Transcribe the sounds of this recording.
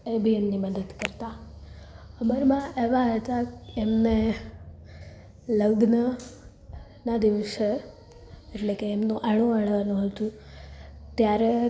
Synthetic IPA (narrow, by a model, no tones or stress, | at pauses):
ebʱiemniməd̪əd̪kəɾt̪a | əməɾmãʔeʋaɦət̪aemne | ləɡnə | nad̪iʋəʃe | eʈlekeːmnũʔaɭ̃ũəɭʋanũɦət̪ũ | t̪jaɾe